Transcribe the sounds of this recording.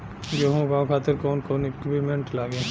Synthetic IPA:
d͡ʒoːɦõkãkʰaːt̪ɪɾkɔːnkoːnekbʱimẽɳʈlaːɡẽ

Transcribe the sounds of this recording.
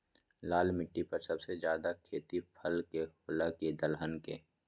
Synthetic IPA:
laːlmɪʈːipɐɾsɐbsezjaːd̪akʰeːt̪ipʰɐlkehoːlaked̪əlɦənkeː

